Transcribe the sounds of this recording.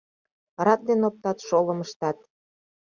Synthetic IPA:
ɾɑk̪̚d̪enop̚t̪ɑt̪ʃoləməʃt̪ɑt̪

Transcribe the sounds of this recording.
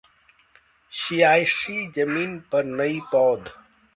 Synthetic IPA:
ʃijaːjʂid͡ʑɐmiːnpɐɾnɐipɔːd̪

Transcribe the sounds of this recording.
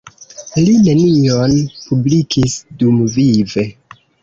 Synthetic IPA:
line̞nionpublikʰisdumvive̞

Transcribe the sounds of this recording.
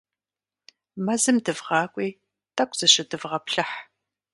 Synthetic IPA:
mɐzɨmdɨvʁɑːkʷʼiː | tʰʼɐkʷʰʼz̥ɨɕɪdɨvʁɐpɬɐħ

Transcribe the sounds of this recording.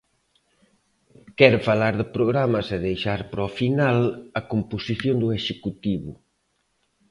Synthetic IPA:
kɛɾfalaɾðɪpɾoɣɾamɐseðejʃaɾpɾɔfinalɐkomposiθjond̪ueʃekut̪iβʊ̰

